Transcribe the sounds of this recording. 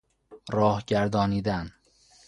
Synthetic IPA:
ɾɒːhɟæɾd̪ɒːniːd̪æn

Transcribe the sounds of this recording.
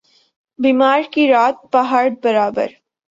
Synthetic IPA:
biːmaːɾkiɾaːt̪̚paɦaːɾbɐɾaːbə̰ɾ

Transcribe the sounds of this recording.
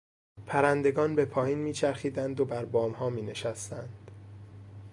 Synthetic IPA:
pʰæɾænd̪e̞ɡɒːnbe̞pʰɒːjiːnmiːt͡ʃʰæɾxiːd̪ænd̪obæɾbɒːmhɒːmiːne̞ʃæst̪ænd̪̥

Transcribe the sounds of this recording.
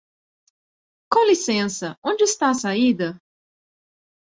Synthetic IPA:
kãlisẽsɐʔõnd͡ʒɪːst̪aɐsaid̪ɐ

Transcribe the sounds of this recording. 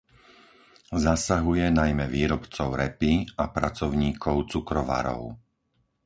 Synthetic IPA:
zasaɦujɛnajmɛʋiːɾɔpt͡sɔʊɾɛpiapɾat͡sɔʊɲiːkʰɔʊt͡sukɾɔʋa̰ɾɔ̰ʊ

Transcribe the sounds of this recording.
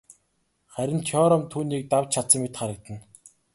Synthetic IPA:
χæɾʲɪ̆nt̪ʰɔɾɔmt̪ʰuːniːk̚t̪awt͡ɕt͡ɕʰat̪sə̆mːet̪χaɾə̆k̚t̪ə̆n

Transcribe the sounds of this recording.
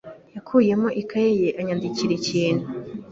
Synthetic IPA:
jakʰuːje̞moʔikʰajejeʔaɲandiciɾeciːnhu

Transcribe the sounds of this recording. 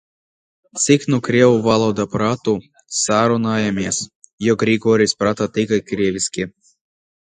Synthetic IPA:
t̪siknukɾʲewuvalˠɔd̪apɾat̪u | saɾunajamʲesjɔɡɾʲiɡɔɾʲisʲpɾat̪at̪ɨkajkɾʲeʋʲisʲkʲi

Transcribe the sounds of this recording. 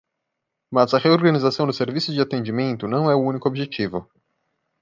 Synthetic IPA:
mazɐʁeoɾɡɐ̃nizasɐ̃w̃d̪ʊseɾvisʊzd͡ʒɪat̪ẽd͡ʒimẽnt̪ʊnɐ̃w̃ɛʊũnikʊobiʒet͡ʃivʊ

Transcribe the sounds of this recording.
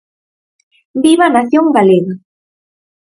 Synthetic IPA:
biβanasjoŋɢaleɣa

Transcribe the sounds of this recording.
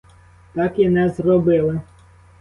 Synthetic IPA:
t̪ɑkinɛzrɔbɪlˠɪ

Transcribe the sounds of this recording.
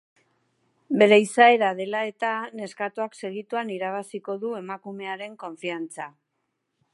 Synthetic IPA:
be̞ɾe̞isae̞ɾað̞e̞lae̞t̪ane̞skat̪uakse̞ɣ̞it̪uaniɾaβ̞asiko̞ðue̞makume̞aɾe̞ŋko̞ɱfiant͡sa

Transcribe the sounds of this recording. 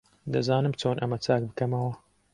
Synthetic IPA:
d̪ɐzaːnɨmt͡ʃoːnʔɐmɐt͡saːk̚bɨkɐmɐwɐ

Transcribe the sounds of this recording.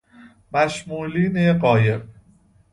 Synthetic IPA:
mæʃmuːliːneɢɒːjeb

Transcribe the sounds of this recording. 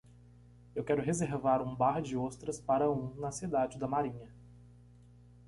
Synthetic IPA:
ewkɛɾʊɦezeɾvaɾũbaɾd͡ʒɪost̪ɾɐspaɾɐũnɐsid̪ad͡ʒɪd̪ɐmaɾĩɲɐ

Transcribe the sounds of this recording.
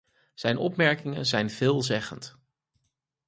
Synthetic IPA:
z̥ɛjnɔpmɛɹkɪŋə̰nzɛjnv̥ɪːlˠzɛχənt

